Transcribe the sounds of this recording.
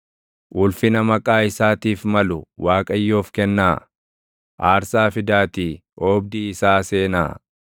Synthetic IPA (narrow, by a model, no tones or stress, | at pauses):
ʔʊlfɪnɐmɐkʼaːɪsaːt̪iːfmɐlʊwʔaːkʼɐjːoːfkɛnːaː | ʔaːɾsaːfɪd̪aːt̪iː | ʔoːb̚d̪iːɪsaːse̞ːna̰ː